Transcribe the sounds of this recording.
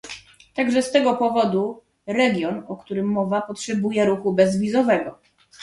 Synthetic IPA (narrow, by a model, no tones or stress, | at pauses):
t̪aɡʐɛst̪ɛɡɔpɔvɔd̪u | ɾɛɡʲjɔnɔkt̪uɾɘmːɔvapɔtʂɛbujɛɾuxubɛzvʲizɔvɛɡɔ